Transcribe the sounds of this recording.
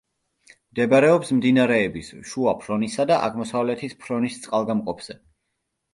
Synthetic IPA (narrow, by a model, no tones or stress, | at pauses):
md̪ɛbaɾɛɔpsmd̪inaɾɛːbisʃuapʰɾɔnisad̪aʔa̰ɡmɔsavlɛt̪ʰispʰɾɔnist̪sʼqʼalˠɡamqʼɔpʰz̥ɛ